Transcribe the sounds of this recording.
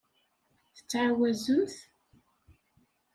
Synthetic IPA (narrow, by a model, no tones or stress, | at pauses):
θə̥t͡sːʕawæzumθ